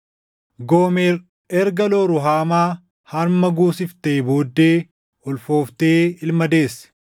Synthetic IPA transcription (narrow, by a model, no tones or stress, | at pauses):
ɡoːmeːr | ɛɾɡɐloɾʊɦaːmaː | hɐɾmɐɡuːsɪft̪eːboːd̪ːeː | ɔlfo̞ːft̪eːɪlmɐd̪eːsːɛ̥